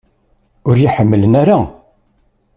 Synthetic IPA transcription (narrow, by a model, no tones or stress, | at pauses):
ʊɾjiħəmːələnæɾa